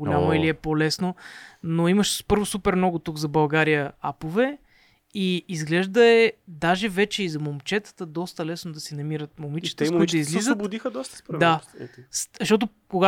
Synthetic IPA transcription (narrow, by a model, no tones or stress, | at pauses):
oljamoiliɛpolɛsnonoiməʃpɤɾvosupɛɾmnɔɡʊt̪uɡzɐbɐlˠɡaɾijəapovɛ | iizɡlɛʒd̪əɛd̪aʒɛvɛt͡ʃɛizɐmomt͡ʃɛt̪ə̥t̪əd̪ɔst̪əlɛsnod̪ɐsɛnɐmiɾət̪momit͡ʃə̥t̪əud̪izlizzbʊd̪ixəd̪ɔst̪ə̥spd̪aszʃt̪ɔt̪̬ʊ | koɡa